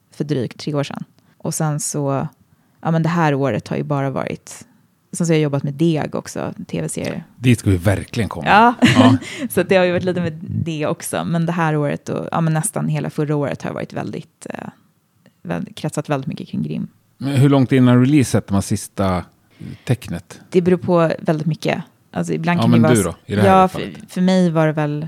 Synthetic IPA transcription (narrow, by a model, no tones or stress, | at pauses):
fœɖɾy̰ːkt̪ʰːɾeːoːʂɛ̰n | ʔɔsɛnsɔ | ʔɑːmɛnd̪ɛɦæːɾoːɾət̪ha̰ɾjɵbɑːɾavɑ̰ːɾɪ̰t̪ | ɔsɛns̬ɔhajajɔbːat̪mɛd̪eːɡɔ̰ksɔ̰t̪ʰeːvɛsḛːɾɪəd̪ɪskavɪɪvæɾklɪɡənkʰɔ̰mːɑː | sat̪̚d̪ɛhajʏvaʈ̬liːt̪əmɛd̪ɛɔksɔ̰mɛnd̪ɛɦæːɾoːɾə̰t̪̚d̪ɔ̰ɑ̰ːmɛnːɛst̪anɦeːla̰fɵɾaoːɾə̰t̪haɾj̰vɑ̰ːɾɪt̪vɛ̰ld̪ɪ̰t̪ | vɛ̰lkʰɾɛt̪sat̪vɛld̪ɪt̪mʏkːəkʰɾɪŋːɡɾɪ̰mː | mɛɦɵɭɔŋt̪̚ɪnːanɾɛliːsɛt̪̚ːɛmhæsɪst̪a | t̪ʰɛknət̪d̪̥ɛbɛɾuːɾpʰɔvɛld̪ɪt̪mʏkːə̰ | ʔa̰ls̬ɔɪblankamɛnd̪ɵd̪ɔɪd̪ɛjɑːffœɾmɛjvaɖɛvɛl